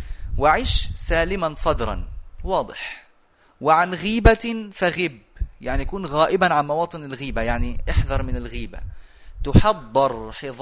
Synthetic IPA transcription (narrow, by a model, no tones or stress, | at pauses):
wɪʕiːʃsaːlɪmansˤɑd̪ɾˤɑ̰nwɑːd̪ˤɨħ | wɪʕanɣiːbafaɣɪbjaʕnijakuːnɣaːʔɪbanʕanmɑwɑːt̪ˤɨnɪlɣiːbajaʕniʔɑħðɑɾˤmɪnɪlɣiːba̰ | t̪ʊħɑd̪ˤːɨɾˤħɪðˤ